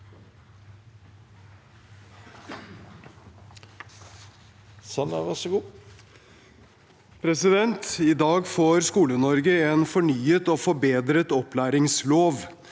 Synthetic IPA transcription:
sɑnɑ̰ʋɑʂɔɡuː | pʰɾɛsɪd̪ɛnt̪ɪd̪ɑːɡfoːɾskuːlənɔɾɡəɛːnfɔɳyːət̪oːfɔbeːd̪ɾət̪ɔplæːɾɪŋsloːʋ

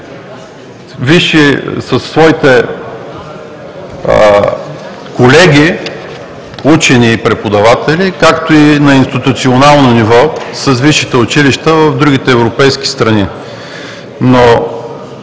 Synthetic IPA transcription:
viʃisəsːvɔit̪ɛ | kolɛɡʲi | ut͡ʃɛniːpɾɛpod̪ɐvat̪ɛlikakt̪oinɐinst̪it̪ʊt̪sionalˠnonivɔsəsviʃit̪ɛʊt͡ʃiliʃt̪əvɐvd̪ɾuɡ̟it̪ɛːvɾopɛjsk̟i̥st̪ɾɐni | no

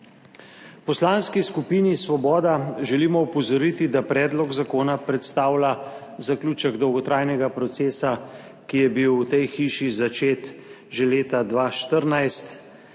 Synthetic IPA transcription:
pɔslaːnskiskupiːnisʋɔbɔːd̪aʒɛliːmɔupɔzɔɾit̪id̪apɾɛːd̪lɔɡzakoːnapɾɛt̪st̪aːwla | zakluːt͡ʃəɡd̪ɔwɡɔt̪ɾaːjnɛɡapɾɔt̪seːsa | kijɛbiwːt̪ɛjxiːʃizat͡ʃeːt̪ | ʒɛleːt̪ad̪ʋaːʃt̪əɾnajst̪

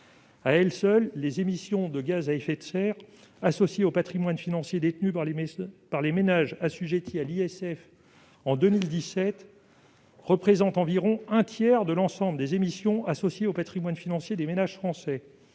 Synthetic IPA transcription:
aɛlsœlːezemisjɔ̃d̪əɡazaɛfɛt̪sɛʁ | asɔsjeopat̪χimwanfinɑ̃sjed̪et̪ny | paʁlemenaʒasyʒet̪ʰialiɛsɛf | ɑ̃d̪əmild̪isɛt̪ | ʁəpχezɑ̃t̪ɑ̃viʁɔ̃ɛ̃t̪ʰjɛʁd̪əlɑ̃sɑ̃bləd̪ezemisjɔ̃ʔasɔsjeopat̪χimwanfinɑ̃sjed̪emenaʒ̥fχɑ̃sɛ

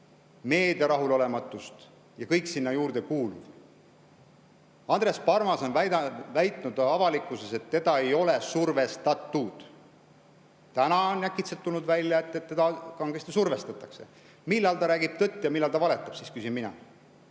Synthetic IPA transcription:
me̞ːd̪̥ɑɾɑɦulo̞le̞mɑt̪ːˑust̪ | jɑkɤjksinːɑjuːrd̪ekuːlṵv̥ | ɑnd̪re̞spɑrmɑso̞nvæɑvæjt̪ˑnud̪̥ɑvɑlikːˑuse̞se̞t̪ːe̞d̪ɑe̞jo̞le̞surve̞st̪ɑt̪ːud̪̥ | t̪ænɑonnækːˑit̪set̪ːulnud̪vælʲjɑe̞t̪ːet̪ːe̞d̪ɑkɑŋɡest̪esurve̞st̪ɑt̪ːˑɑkse̞̰ | milːɑlt̪ɑɾæːɡib̥̚t̪ɤt̪ːˑjɑmilːɑlt̪ɑvɑle̞t̪ːˑɑb̥siskysinminɑ̰

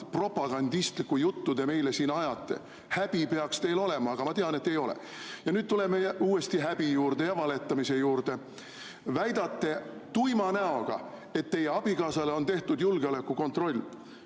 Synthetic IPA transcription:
pro̞pːˑɑɡ̥ɑnd̪ist̪likːujut̪ːud̪e̞me̞jle̞siːnɑjɑt̪ˑːe̞̰ | hæb̥ipe̞ɑkst̪e̞jlo̞lemɑɑɡ̥ɑmɑt̪eɑne̞t̪ːe̞jo̞lḛ | jɑnyːd̪̚t̪ule̞mejuːe̞st̪iɦæb̥ijuːrd̪̥e̞jɑvɑle̞t̪ːˑɑmise̞juːɾd̪̥e̞ | væjd̪ɑt̪ːe̞t̪ujmɑnæo̞ɡ̥ɑ̰ | e̞t̪ːe̞jeɑb̥ikɑːsɑleo̞nt̪e̞ht̪ud̪julɡ̥eole̞kːuko̞nt̪ˑro̞lʲː

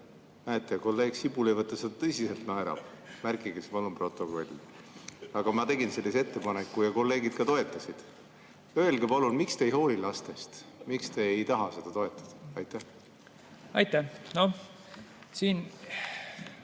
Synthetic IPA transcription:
ɑjt̪ːˑeko̞lːe̞ːɡ̥sibule̞jvɤt̪ːˑɑsed̪̥ɑt̪ɤsiselt̪nɑeɾɑ̰̥ | mærkˑiɡespɑlunpro̞t̪ːˑo̞ko̞lʲːi | ɑɡ̥ɑmɑt̪e̞ɡinse̞lʲːiset̪ːe̞pɑnekːujɑko̞lːe̞ːɡid̪̥̚kɑt̪o̞e̞t̪ːˑɑsid̪̥ | ø̞elɡepɑlunmikst̪e̞jɦo̞ːlʲilɑst̪e̞st̪mikst̪e̞ːjt̪ɑɦɑse̞d̪̥ɑt̪o̞e̞t̪ːˑɑ̥d̪̥ɑ̥ɑjt̪ːæh | ɑjt̪ːæno | siːn

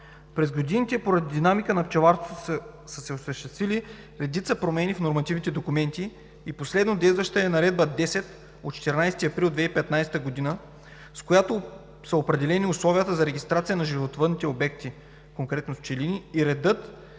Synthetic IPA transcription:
pɾɛzɡod̪init̪ɛpoɾɐd̪id̪inamikənɐpt͡ʃɛvaɾst̪t̪ | səsɛosɐʃt̪ɛst̪vili | ɾɛd̪it̪səpɾomɛnʲifnoɾmɐt̪ivnit̪ɛd̪okumɛnt̪iː | poslɛd̪nod̪ɛjst̪vəʃt̪əɛnɐɾɛd̪̚bəd̪ɛsɛt̪ | ot̪t͡ʃɛ̥t̪ɛɾnajst̪iɐpɾilˠd̪vɛipɛt̪najsɛ̥t̪əɡod̪inə | skojat̪o | sɐopɾɛd̪ɛlɛniʊslˠɔvijət̪əzɐɾɛɡʲist̪ɾat̪sijənɐʒivot̪vɤd̪nit̪ɛobɛkt̪i | koŋkɾɛt̪noft͡ʃɛlinʲiːɾɛd̪ɤt̪

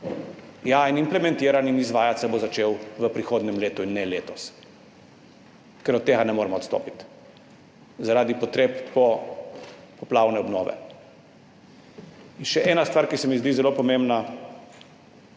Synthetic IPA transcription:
jainimplɛmɛ̃nt̪iːɾaninizʋaːjat̪sabozat͡ʃeːwʋəpɾixoːd̪nɛmleːt̪uinːɛleːt̪ɔs | kɛɾɔt̪ːeɡanɛmoːɾɛmɔɔt̪st̪o̰ːpit̪ | zaɾad̪ipɔt̪ɾeːpːɔ | pɔplawnɛɔbnɔ̰ːʋɛ̰ | inʃɛʔɛːnast̪vʋaːɾkisɛmizd̪izɛlopɔmembna

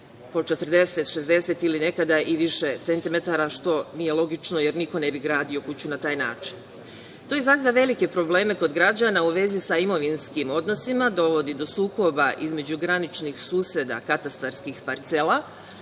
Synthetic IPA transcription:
po̞t͡ʃe̞t̪r̩d̪e̞se̞t̪ʃe̞zd̪e̞set̪iline̞kad̪aʔiʋiʃet̪se̞nt̪ime̞t̪aɾaʃt̪o̞nijelˠo̞ɡit͡ʃno̞je̞ɾniko̞ne̞biɡɾaːd̪io̞kut͡ɕunat̪aːjnaːt͡ʃin | t̪o̞izɾaziʋaʋe̞like̞pɾo̞ble̞ːme̞ko̞d̪ɡɾad͡ʑanauʋe̞zisaimo̞ʋinskimo̞d̪no̞simad̪o̞ʋo̞d̪id̪o̞suːko̞baʔizme̞d͡ʑuɡɾanit͡ʃnixsuːsed̪a̰kat̪ast̪aɾskixpaɾt̪sela

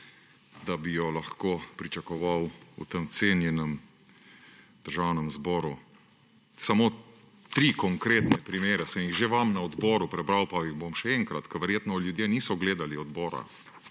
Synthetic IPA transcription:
d̪abijɔlaxkoːpɾit͡ʃakɔʋawṵt̪əmt̪seːnjɛnɛm | d̪̥əɾʒawnɛmzbɔːɾu | samo | t̪ɾikɔŋkɾeːt̪nɛpɾimeːɾɛsɛmjiɣʒeʋamnaɔd̪bɔːɾupɾɛbɾawpaiɣbomʃɛɛŋkɾat̪kɐʋɛɾjeːt̪nɔljud̪jeniːsɔɡleːd̪aliɔd̪bɔːɾa̰

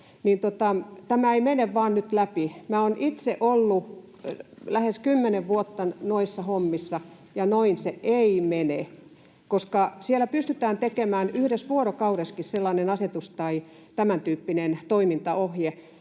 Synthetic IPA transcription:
nint̪ot̪ɑt̪æmæeimeneʋʋɑːnnyt̪læpimæːonʔit̪seʔolːu | læheskymːeneʋʋuot̪ːɑnoisːɑhomːisːɑ | jɑnoinseeimene | koskɑsielæpyst̪yt̪æːnt̪ekemæːnyhɾesʋuoɾokɑuɾeskisselːɑnenɑset̪ust̪ɑi | t̪æmænt̪yːpːinent̪oimint̪ɑohje

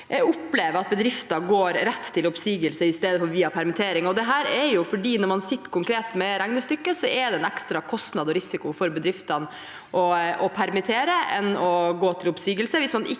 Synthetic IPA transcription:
ʊpːleːʋəɾɑt̪̚bəd̪ɾɪft̪ɑɡoːɾɾɛt̪ʰːɪlʊpsiːɡəlsəɪst̪eːd̪əfɔɾʋiːɑpʰæɾmɪt̪ʰeːɾɪŋɔd̪ɛɦæːɾɛɾjʊfɔɖiːnɔɾmɑnsɪt̪ːkʰʊŋkɾeːt̪mɛɾæŋnəst̪ʏkːəsɔɛd̪ɛnɛkst̪ɾɑkʰɔst̪nɑd̪ɔɾɪsɪkʊfɔɾbəd̪ɾɪft̪ɑn | ʔɔɔpʰæɾmɪt̪ʰeːɾəɛ̰nɔɡoːt̪ʰɪlʊpsiːɡəlsəʋɪsmɑnʔɪ

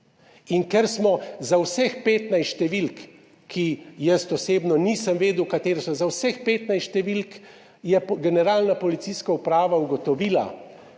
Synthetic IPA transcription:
inkɛɾsmɔzawsɛxpeːt̪najsʃt̪ɛʋilkːʰ | ijəst̪ɔseːbnɔniːsəmʋeːd̪uwkat̪eːɾɛsɔzawsɛxpeːt̪najsʃt̪ɛʋilk | jɛɡɛnɛɾaːlnapɔlit̪siskaupɾaːʋauɡɔt̪ɔʋiːla̰

